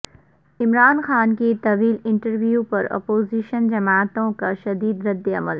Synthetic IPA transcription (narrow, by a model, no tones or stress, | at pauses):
ɪmɾaːnxaːnkit̪ɐʋiːlɪ̃ɳʈəɾʋijupɐɾɔ̰ːpoːziːʃənd͡ʒɐmaːt̪õkaʃɐd̪iːd̪ɾɐd̪ːeɐməl